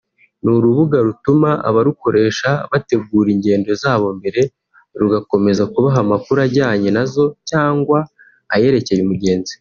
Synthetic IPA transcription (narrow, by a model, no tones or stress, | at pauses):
nuɾuβuɡaɾutumaa̰βaɾuko̞ɾʔe̞ːʃaβate̞ɡuːɾiɲɟe̞ːndo̞zaːβo̞mbe̞ɾe̞ | ɾuɡako̞me̞zakuβaɦamakuɾaɟaːɲenazo̞caːŋɡwaː | je̞ɾe̞ce̞jumuɾɟe̞ːnzi